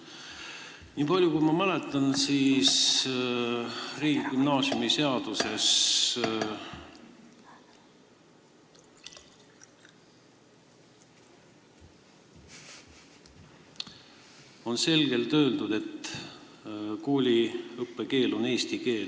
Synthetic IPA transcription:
niːpɑlʲjukujmɑmælet̪ːˑɑnsiːss | riːɡ̥ikymnɑːsjumise̞ɑd̪̥use̞s | o̞nse̞lɡ̥e̞lt̪ø̞ːld̪ud̪̥e̞t̪ː | koːlʲiɤpːe̞ke̞ːlo̞ne̞ːst̪ike̞ːl

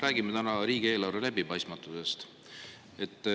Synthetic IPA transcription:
ɾæːɡ̥imet̪ænɑɾiːɡ̥ie̞ːlɑɾvelæbipɑjst̪mɑt̪ːˑuse̞st̪ | e̞t̪ːˑ

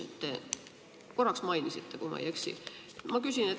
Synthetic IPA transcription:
ḛt̪t̪ːe | ko̞rːɑksmɑjnisit̪ːe̞kumɑ̰jæksḭ | mɑkysʲine

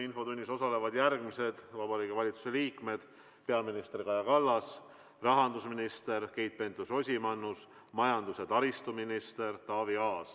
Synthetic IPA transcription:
info̞t̪unʲːiso̞sɑle̞vɑd̪jærɡmise̞d̪̥vɑbɑɾiːkevɑlʲit̪su̥se̞liːkme̞d̪̥ | pe̞ɑminist̪ɾikɑjɑkɑlːɑs | rɑɦɑnd̪usminist̪e̞ɾkejt̪̚pe̞nt̪ːuso̞sʲimɑnːus | mɑjɑnd̪use̞t̪ɑɾist̪uminist̪e̞rt̪ɑːviɑːs

